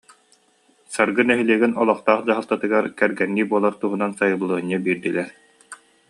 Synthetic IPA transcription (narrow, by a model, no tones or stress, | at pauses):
saɾɡɯnɛɦiliɛːɡinɔlˠɔχt̪aːχd͡ʑaɦalˠt̪at̪ɯɡaɾkɛɾɡɛnːiːbuɔlˠaɾt̪uɦunansajɯbɯlˠɯːɲibiːɾd̪ilɛɾ